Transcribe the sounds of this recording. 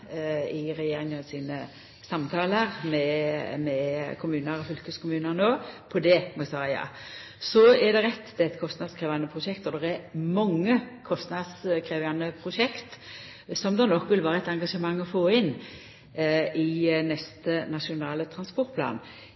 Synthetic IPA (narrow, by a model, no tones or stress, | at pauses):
ɪɾɛjeːɾɪŋənsiːnə | sɑmt̪ʰɑːləʁmɛmɛkʰʊmʉːnəɾɔfʏlkəskʰʊmʉːnəɾnoːpʰɔd̪ɛmɑsɑːɾjɑ̰ː | sɔɛd̪ɛɾɛt̪ːɛt̪kʰɔst̪nɑd̪skʰɾeːʋɑnːəpʰʁʊʂɛkt̪ɔd̪ɛɾɛɾmɑŋːəkʰɔst̪nɑd̪skʰɾeːʋɑnːəpʰɾʊʂɛkt̪ | sɔmd̪ɑnɔkːʋɪlʋæːɾəɛt̪ɑŋɡɑʂəmɑŋːɔfoːɪn | ʔɪnɛst̪ənɑʂɪʊnɑːlət̪ʰɾɑnspɔɾt̪pʰlɑ̰ːn